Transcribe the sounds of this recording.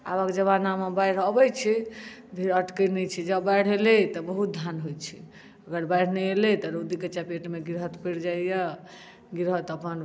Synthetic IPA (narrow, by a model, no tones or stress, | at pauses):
a̰bəkd͡ʒəβanamabajɽ̤əbɛt͡ʃʰi | bʱiɾəʈkənɛt͡ʃʰid͡ʒəbajɽ̤ɦelɛt̪ɔbəɦut̪̚d̪ʱjanɦojt͡ʃʰi | əɡəɾbajɽ̤nɛelɛt̪ɔɾod̪ikət͡ʃapeʈmeɡiɾɦət̪peʈd͡ʒaijə | ɡiɾɦət̪əpən